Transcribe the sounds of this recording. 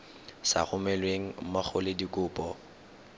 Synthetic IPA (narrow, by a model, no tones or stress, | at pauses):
sa̰χʊmɛlweŋ̩maχʊlɪdikʼʊːpʼɔ